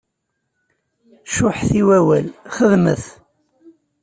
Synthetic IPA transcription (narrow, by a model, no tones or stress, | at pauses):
ʃʊħθiwæwælχəðməθ